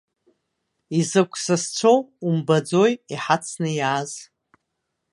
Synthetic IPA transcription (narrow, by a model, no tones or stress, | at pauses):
izɨkʷʰsast͡ʃʷʰo̞wumbad͡zo̞jiħat͡sʰnɨjʕaz